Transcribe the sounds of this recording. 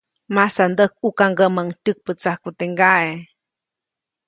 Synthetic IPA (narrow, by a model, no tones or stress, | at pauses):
masand̪ək̚ukaŋɡəməŋtək̚pət͡sahkut̪eŋɡae